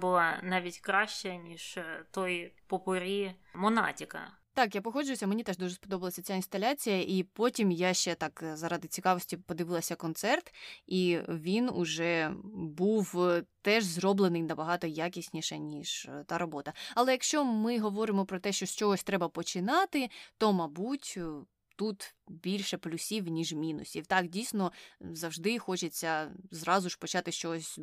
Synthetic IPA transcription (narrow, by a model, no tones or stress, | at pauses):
bʊlˠɑnɑʋʲitʲkɾɑʃt͡ʃɛnʲiʃt̪ɔjpɔpʊɾʲi | mɔnɑ̰tʲikɐ̰ | t̪ɑkjapɔɦɔd͡ʒʊjʊsʲɐmenʲit̪ɛʒd̪uʒeɛspɔd̪ɔbɐlˠɐsʲɐt͡sʲaɪnst̪ɐlʲat͡sʲijɐʔipɔtʲimjaʃt͡ʃɛt̪ɑkzɐɾɑd̪ɪt͡sʲikɑʋɔsʲtʲipɔd̪ɪʋɪlˠɐsʲɐkɔnt̪sɛrt̪iʋʲinʊʒɛbuwt̪ɛʒzrɔblˠenɪjnɐbɐɦɑt̪ɔjakʲisʲnʲiʃɛnʲiʒ̥t̪ɑɾɔbɔt̪ɐɐlˠɛjɐkʃt͡ʃɔmɪɦɔʋɔɾɪmɔpɾɔt̪ɛʃt͡ʃɔʃt͡ʃɔɦɔsʲt̪ɾɛbɐpɔt͡ʃɪnɑt̪ɪt̪ɔmɐbutʲ | t̪ut̪bʲilʲʃɛplʲʊsʲiwnʲiʒmʲinʊ̰sʲiwt̪ɑkdʲijsʲnɔzɐwʒd̪ɪxɔt͡ʃet͡sʲːɐzɾɑzʊʃpɔt͡ʃɑt̪ɪst͡ʃɔɦɔsʲ